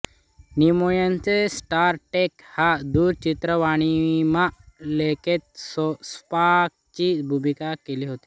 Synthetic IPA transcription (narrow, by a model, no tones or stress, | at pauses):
nimujant͡sesʈaɾʈekhad̪uɾt͡ɕit̪ɾəʋaɽ̃imaleket̪̚sspak̚t͡ɕibʱumikakeliːɦot̪i̥